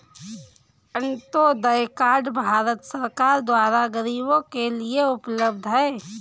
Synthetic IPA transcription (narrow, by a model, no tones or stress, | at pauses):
ə̃nt̪od̪ɐjkaːɾɖbʱaːɾət̪səɾkaːɾd̪waːɾaɡəɾiːbõkelieʊpləbd̪ʱɦɛː